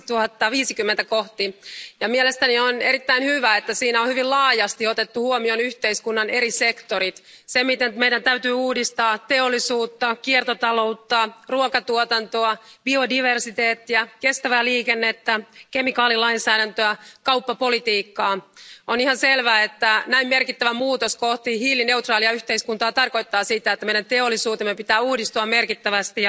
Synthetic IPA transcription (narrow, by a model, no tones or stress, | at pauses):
t̪uhɑt̪ːɑʋiːsikymːent̪ækoht̪ijɑmielest̪ænioneɾit̪ːæinhyʋæet̪ːæsiːnæohyʋilɑːjɑst̪iot̪et̪ːuhuomionyçt̪eiskunːɑne̞ɾisekt̪oɾit̪ | semit̪enmejdænt̪æyt̪yːuːdist̪ɑːt̪e̞olːisuːt̪ːɑkiert̪ot̪ɑlo̞ut̪ːɑruokɑt̪uot̪ɑnt̪oɑb̥iodiʋersit̪eːt̪ːiækest̪æʋæliːkenːet̪ːækemikɑːlilɑinsæːɾænt̪øækɑupːɑpolit̪iːkːɑːonihɑnselʋæːet̪ːænæimmerkit̪ːæʋæmuːt̪oskoht̪ihiːlːine̞ut̪rɑːliɑyht̪eiskunt̪ɑːt̪ɑrko̞it̪ːɑːsit̪æet̪ːæmeidænt̪eolːˑisuːt̪emːepit̪æːuːdist̪uɑmerkit̪ːæʋæst̪i